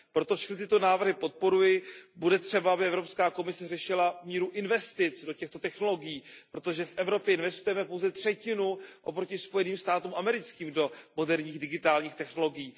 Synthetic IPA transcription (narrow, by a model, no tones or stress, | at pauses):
pɾo̞t̪ofʃɛxknɪt̪ɪt̪o̞naːvr̩ɦɪpo̞t̪̚po̞ɾujɪbudɛt̪r̝̥ɛbaabɪɛvɾo̞pskaːko̞mɪsɛrɛʃɪlamiːɾuʔɪnvɛst̪ɪt͡sdo̞cɛxt̪o̞t̪ɛxno̞lo̞ɡɪjiːpɾo̞t̪o̞ʒɛfʔɛvɾo̞pjɛɪnvɛst̪ujɛmɛpowzɛt̪r̥ɛcɪnuʔopɾo̞cɪspo̞jɛniːmst̪aːt̪uːmʔamɛɾɪt͡skiːmdo̞mo̞dɛɾɲiːxdɪɡɪt̪aːlɲiːxt̪ɛxno̞lo̞ɡɪjiː